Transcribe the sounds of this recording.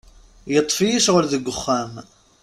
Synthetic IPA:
jət̪ˤːfijiʃʁəlðəɡʷːəχːæm

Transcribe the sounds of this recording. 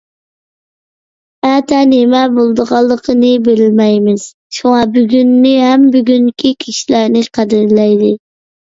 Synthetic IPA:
æt̪ʰɛnemɛbolˠd̪əʁɑlˠːəqʰənɨbɪɾɪlmɛjmɪz̥ | ʃuŋɑbyɡʲynːɪɦɛmbyɡʲyŋkʲʰikʲʰiʃilæɾnɪqʰæd̪ɪɾlɛjd̪ɪ

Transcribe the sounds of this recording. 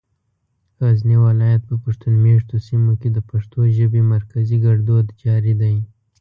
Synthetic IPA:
ɣazniwalɑjat̪̚pəpaʂt̪unmeʂt̪osimoked̪əpaʂt̪oʒəbemaɾkaziɡaɽd̪od̪d͡ʒɑɾid̪aj

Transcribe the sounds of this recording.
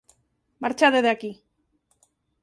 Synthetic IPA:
maɾt͡ʃaðeðaki

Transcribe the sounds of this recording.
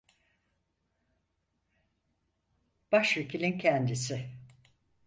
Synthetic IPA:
b̥aʃvekʰilʲincʰɛnd̪isɪ

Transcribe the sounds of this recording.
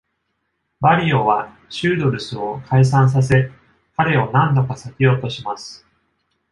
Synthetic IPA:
baɾʲioβa | ɕɨːd̪o̞ɾɯ̟sɨo̞kʰais̬ãɰ̃s̬as̬e̞ | kaɾe̞o̞nãnd̪o̞kasakʲio̞t̪o̞ɕimasɨ̥

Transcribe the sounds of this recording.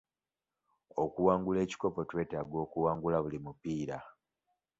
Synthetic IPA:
o̞kuwaːŋɡule̞ːci̥ko̞po̞twe̞ːtaɡo̞ːkuwaːŋɡulaβulimupiːɾa

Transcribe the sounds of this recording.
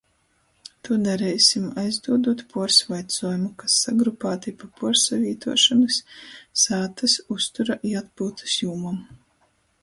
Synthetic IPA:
t̪ud̪aɾɛjsimajzd̪uɔd̪uɔt̪puɔɾsvajt̪suɔːjumukasːaɡɾupaːt̪ipapuɔɾsavʲiːt̪ʰuɔʃanɨssaːt̪asust̪uɾaʔiat̪̚pult̪ɨ̥sjuːmum

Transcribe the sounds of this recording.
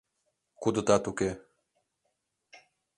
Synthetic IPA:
kud̪ut̪at̪uke

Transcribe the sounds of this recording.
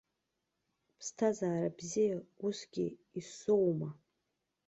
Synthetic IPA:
pʰstʰazaːɾabzijausɡʲɪ̰ | isowma

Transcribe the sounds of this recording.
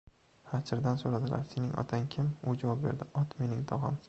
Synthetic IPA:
hat͡ʃʰɪɾd̪ansoɾad̪ɪla̰ɾsenɪŋʔɒ̰t̪ʰaŋkʲʰɪmʊd͡ʒavɒp̚beɾd̪ɪʔɒt̪me̞nɪŋt̪ʰɒʁɪ̰m

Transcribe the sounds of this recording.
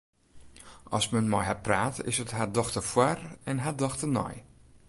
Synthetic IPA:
ʔɔ̰smənmɔjɦapraːtɪ̰səthadɔxtəfwarɛnɦadɔxtənɔ̰j

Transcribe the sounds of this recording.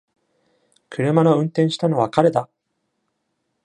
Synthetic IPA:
kɯ̟ɾɯ̟manoɯ̟̃nt̪ẽɰ̃ɕi̥t̪ano̞βakaɾe̞d̪a

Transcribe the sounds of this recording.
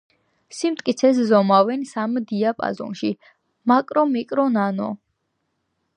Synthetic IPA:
simt̪ʼkʼit̪sʰɛs̬zɔmavɛnsamd̪iapʼa̰zɔ̰nʃi | makʼɾɔmikʼɾɔnanɔ̰

